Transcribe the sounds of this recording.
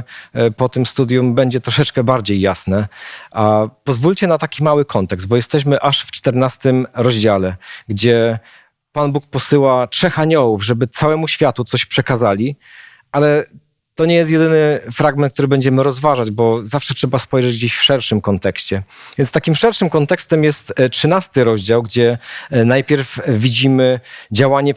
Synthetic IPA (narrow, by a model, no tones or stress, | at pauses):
pɔt̪ɘmst̪ud̪ʲjumbɛɲd͡ʑɛt̪ɾɔʂɛt͡ʂkɛbaɾd͡ʑejːasnɛʔapɔzvulʲt͡ɕɛnat̪akʲimawɘkʰɔnt̪ɛkzbɔjɛst̪ɛɕ̬mɘʔaʂft͡ʂt̪ɛɾnast̪ɘmɾɔʑd͡ʑalɛɡd͡ʑɛ | panbuk̚pɔsɘwatʂɛxaɲɔwuvʐɛbɘt̪sawɛmuɕfʲjat̪ut̪sɔɕpʂɛkazalʲi | alɛ | t̪ɔɲɛjɛst̪̬jɛd̪ɘnɘfɾaɡmɛnt̪̚k̚t̪uɾɘbɛɲd͡ʑɛmɘɾɔzvaʐad͡ʑbɔzafʂɛtʂɛbaspɔjʐɛd͡ʑɡd͡ʑeɕfʂɛɾʂɘmkɔnt̪ɛkɕt͡ɕɛvʲjɛnt̪st̪akʲimfʂɛɾʂɘmkɔnt̪ɛkst̪ɛmjɛst̪tʂɘnast̪ɘɾɔʑd͡ʑawɡd͡ʑɛnajpʲjɛɾfvʲid͡ʑimɘd͡ʑawaɲɛ